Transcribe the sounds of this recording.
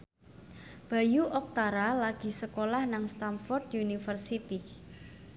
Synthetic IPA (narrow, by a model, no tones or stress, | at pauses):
b̥a̤juʔɔk̚t̪aɾalaɡ̥i̤səkolahnaŋst̪anfɔrt̪junifərsit̪i